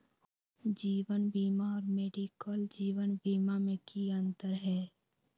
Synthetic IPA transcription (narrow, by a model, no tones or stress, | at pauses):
d͡ʒiːwənbiːmaɔːɾmeːɖikəld͡ʒiːwənbiːmamẽkiə̃nt̪əɾɦɛː